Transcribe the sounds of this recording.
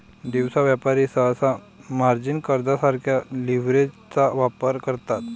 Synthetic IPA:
d̪iʋsaʋjapaɾisəsa | maɾd͡ʑinkəɾd̪asaɾkʰjaliʋɾed͡ʑ | t͡saʋapəɾkəɾt̪at̪

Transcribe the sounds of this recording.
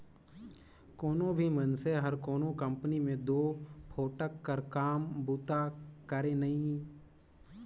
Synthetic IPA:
koːnõbʱimənseɦɐɾkoːnõkə̃mpənimẽd̪oːpʰoːʈəkːəɾkaːmbuːt̪akəɾẽnɐɦĩ

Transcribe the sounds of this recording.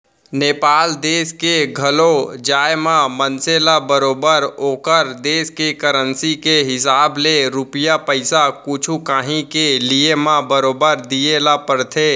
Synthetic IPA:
neːpaːld̪eːskeɡʱəlod͡ʒaːjemãmənselabəɾoːbəɾoːkəɾd̪eːskekəɾənsikeɦɪsaːbleɾʊpɪjapəɪsakʊt͡ʃʰukaːɦĩkeliemãbəɾoːbəɾd̪ijelapəɾt̪ʰeː

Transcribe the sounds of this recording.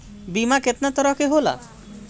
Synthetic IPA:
bimaket̪nat̪ɔɾɔkeɦola̰

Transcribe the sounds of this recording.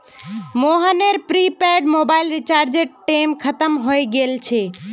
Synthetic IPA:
moːɦəneɾpɾiːpeɾɖmoːbaːɪlɾɪt͡ʃaːɾd͡ʒeʈʈeːmkʰət̪əmɦoeɡeːlt͡ʃʰe

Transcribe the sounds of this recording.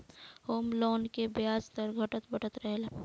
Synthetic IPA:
hoːmlɔːnkebjaːd͡ʒt̪əɾɡʱɐʈət̪bʱəʈət̪ɾəɦel

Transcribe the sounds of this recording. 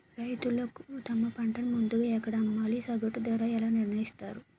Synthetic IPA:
ɾɐjt̪ulɐkut̪ɐmːɐpɐɳʈɐnɐmund̪uɡaːɛkːɐɽɐɐmːaːlisɐɡɐʈːud̪ɐɾaːɛlaːniɾnɐjist̪aːɾu

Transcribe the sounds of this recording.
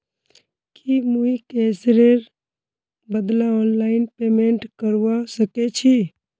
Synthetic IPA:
kimuikɛsɾeɾ | bəd̪laɔːnlaɪnpemeɳʈkəɾʋasəket͡ʃʰi

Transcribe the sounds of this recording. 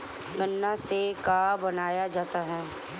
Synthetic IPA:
ɡənːasekaːbɐnaːjad͡ʒaːt̪aɦɛː

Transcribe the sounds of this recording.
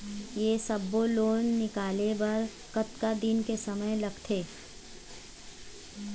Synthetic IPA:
jeːsɐbːoloːnːɪkaːlebɐɾ | kɐt̪kad̪inkesɐməjlɐɡt̪ʰeː

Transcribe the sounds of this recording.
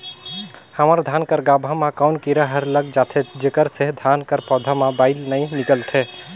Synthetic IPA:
həməɾd̪ʱankəɾɡabʱamãkawnkiɾəɦəɾləɡd͡ʒat̪ʰed͡ʒekəɾseɦd̪ʱankəɾpɔd̪ʱamabaɪlnəɪnikəlt̪ʰe

